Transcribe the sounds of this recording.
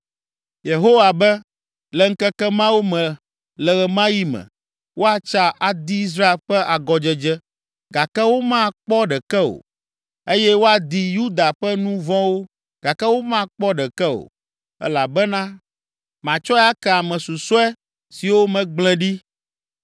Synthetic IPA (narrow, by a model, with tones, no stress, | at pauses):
je˨ɦo˦wa˨bɛ˦ | lɛ˨ŋ̩˦kɛ˦kɛ˦mã˦wo˦mɛ̃˨ | lɛ˨ɣɛ˨mã˦ji˦mɛ̰̃˨ | wʔo˦a˨t͡ʃa˦ʔa˨d̪i˦i˦s̬ɾa˦e˨lɸɛ˦ʔa˨ɡɔ˨d͡ʒɛ˦d͡ʒɛ˦ | ɡa˨kɛ˦wo˦mã˦k͡pɔ˦ɖɛ˨kɛ˦o̰˨ | e˦jɛ˦wo˦a˨d̪i˨ju˦d̪a˨ɸɛ˦nũ˦vɔ̃˦wo˦ | ɡ̥a˨kɛ˦wo˦mã˦k͡pɔ˦ɖɛ˨kɛ˦o̰˨ | ɛ̰˦la˨bɛ˦nã˦ | mã˨t͡ʃɔ˦ɛ˦a˦kɛ˨a˨mɛ̃˨su˨sɔ˦ɛ˦ | si˨wo˦mɛ̃˨ɡ͡blɛ̃˨ɖi˦